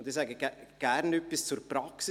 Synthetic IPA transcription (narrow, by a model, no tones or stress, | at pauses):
ʊnd̥̪isɛɡəɡɡ̥æɾnœpːist͡suɾpɾɑksɪ